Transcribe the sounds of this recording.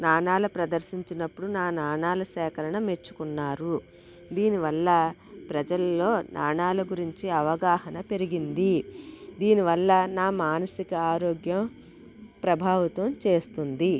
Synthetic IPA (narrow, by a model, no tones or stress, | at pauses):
naːɳaːlɐpɾɐd̪ɐɾsiɲt͡ʃinɐpːuɽunaːnaːɳaːlɐsɛːkɐɾɐɳɐme̞t͡ʃːu̥kunːaːɾu | d̪iːniʋɐlːɐ | pɾɐd͡ʒɐlɐːo̞ːnʔaːɳaːlɐɡuɾiɲt͡ʃiɐʋɐɡaːhɐnɐpe̞ɾiɡind̪id̪iːniʋɐlːɐnaːmaːnɐsikɐaːɾoːɡjɐm | pɾɐbʱaːʋɐt̪ɐmt͡ʃe̞ːst̪und̪i